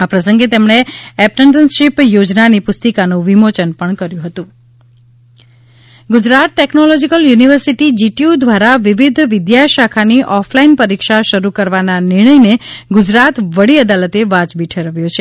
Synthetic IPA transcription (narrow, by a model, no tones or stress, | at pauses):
apɾəsəŋɡet̪emɳ̃eɛp̚nəɳʈənsʃipjod͡ʒnanipʊst̪əkanũʋimot͡ʃənpəɳkəɾjũɦət̪ũ | ɡʊd͡ʒɾat̪̚ʈeknolɔd͡ʒikəljuniʋəɾsiʈid͡ʒiʈiud̪ʱʋaɾaʋiʋid̪ʱʋɪd̪jaʃakʰaniʔɔfʰlainpəɾikʃaʃəɾukəɾʋananɪɾɳ̃əjneɡʊd͡ʒɾat̪ʋəɽiəd̪alət̪eʋad͡ʒbiʈʰeɾəʋjõt͡ʃʰe